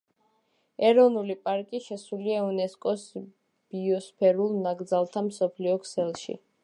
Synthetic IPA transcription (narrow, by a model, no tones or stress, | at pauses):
ɛɾɔnulipʼaɾkʼiʃɛsuliaunɛskʼɔs | b̥iɔspʰɛɾulˠnaɡd̪zalˠt̪ʰamsɔpʰliɔkʰsɛlˠʃḭ